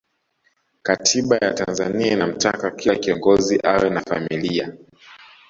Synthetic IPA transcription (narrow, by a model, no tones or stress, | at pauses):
katʰiɓajatanzaniainam̩ta̰kakʰilakiɔŋɡɔziʔawɛnafamilia̰